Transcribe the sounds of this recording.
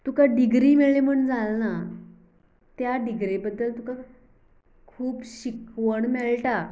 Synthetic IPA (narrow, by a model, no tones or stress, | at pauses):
t̪ukaɖiɡɾiːmeɭem̤əɳd͡zalna | t̪jaɖiɡɾebəd̪ːəlt̪uka | kʰuːpɕikʋəɳmeɭʈa